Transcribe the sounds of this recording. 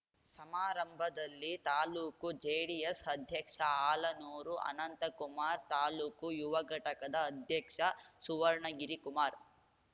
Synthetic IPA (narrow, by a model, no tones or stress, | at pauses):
sɐmaːɾɐmbʱɐd̪ɐlːit̪aːluːkud͡ʒeːɽijɐsɐd̪ʱjɐkʂɐaːlɐnuːɾuʔɐ̰nɐnt̪ɐkumaːɾt̪aːluːkujuʋɐɡʱɐʈɐkɐd̪ɐːd̪ʱjɐkʂɐsuʋɐɾɳɐɡiɾikumaːɾ